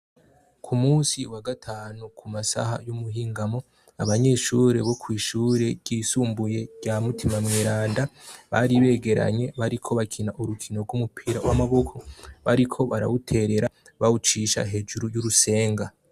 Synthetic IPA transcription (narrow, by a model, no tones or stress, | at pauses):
kʰumuːsiwaɡatʰaːnukʰumasa̰ɦa̰jumuɦiːŋɡamo̞ | aβaɲe̞ʃuːɾe̞βo̞kwiːʃuːɾe̞ɾɟiːsuːmbuje̞ɟamutʰimamŋiːɾaːndaβaɾiβe̞ːɡe̞ɾa̰ɲe̞βaɾikʰo̞βakʰinaʔuɾukʰino̞ɾɡumupʰiːɾawamaβo̞kʰo̞βaɾikʰo̞βaɾa̰wutʰe̞ɾe̞ɾa | βawut͡ʃiʃa̰ɦe̞d͡ʒuɾujuɾuse̞ːŋɡa